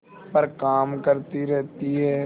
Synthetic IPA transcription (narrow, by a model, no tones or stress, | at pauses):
pəɾkaːmkəɾt̪iɾɛɦt̪iɦɛː